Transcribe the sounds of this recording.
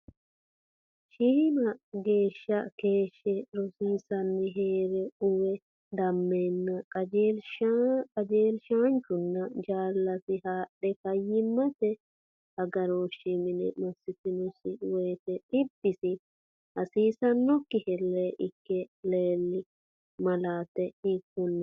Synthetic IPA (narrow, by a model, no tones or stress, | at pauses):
ʃiːmɐɡe̞ːʃːɐke̞ːʃːɛɾɔsiːsɐnːɪɦeːɾɛʊwɛ | d̪ɐmːeːnːɐkʼɐd͡ʒelʃkʼɐd͡ʒeːlʃaːnt͡ʃʊnːɐd͡ʒaːlːɐsɪhaːɗːɛkɐjːɪmːɐt̪ɛ | hɐɡɐɾoːʃːɪmɪnɛ̰mɐsːɪt̪ɪnɔsɪwɔjt̪ɛᶑɪbːɪsɪ | hɐsiːsɐnːɔkːɪhɛlːeʔɪkːɛleːlːɪ | mɐlaːt̪ɛhɪkːʊnː